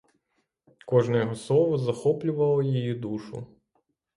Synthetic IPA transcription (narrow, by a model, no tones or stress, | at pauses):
kɔʒnɛjɔɦɔslˠɔʋɔzɐxɔplʲʊʋɐlˠɔjijid̪uʃʊ̰